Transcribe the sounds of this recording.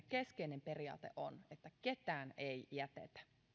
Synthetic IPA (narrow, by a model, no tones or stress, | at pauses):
keskeinempe̞riɑ̰ːt̪eʔo̰net̪ːæket̪æːnejjæt̪ḛt̪æ̥